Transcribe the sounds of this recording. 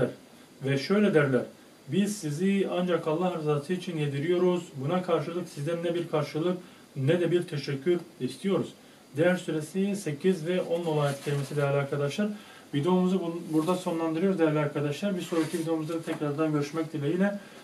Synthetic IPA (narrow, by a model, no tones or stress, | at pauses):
æɾ | vɛʃø̞jlʲɛd̪æɾlʲæɾ̥ | biz̥siziand͡ʒakalˠːaɦaɾizaːt̪ʰɯit͡ʃʰinje̞d̪iɾijo̞ɾuzbunakʰaɾʃɯlˠɯksizd̪ɛnːɛbiɾkʰaɾʃɯlˠɯk | nɛd̪ɛbiɾt̪ʰeʃɛcʰːyɾist̪ʰijo̞ɾuz̥ | d̪ɛjæɾsyɾesise̞cʰizvɛʔo̞nːolˠajɛt̪cʰelʲimesid̪ɛlʲaɾkʰad̪aʃlˠaɾ | vid̪eomuzubuɾd̪aso̞nlˠand̪ɯɾɯjo̞ɾzd̪ɛjæɾlʲiaɾkʰad̪aʃlˠaɾbisoɾcʰivid̪emuzˠad̪at̪ʰɛcɾaɾd̪anɟø̞ɾyʃmɛc̚d̪ilʲejilʲɛ